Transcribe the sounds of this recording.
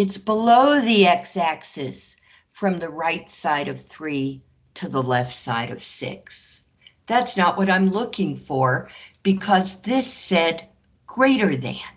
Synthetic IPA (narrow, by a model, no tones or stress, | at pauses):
ɨtsb̥əloʊðiɛksæksɛs | fɹʌ̃mðɨɹaɪtsaɪɾʌv̥θɹi | ɾɨðəlɛftsaɪɾʌ̰v̥sɪ̰ks | ðætsnəʔ̚wʔʌɾãɪ̃mlʊkʰɪ̃ŋfə˞b̥ɨkʰʌzðɪsɛd̚ | ɡ̥ɹeɪɾə˞ðɨ̰̃n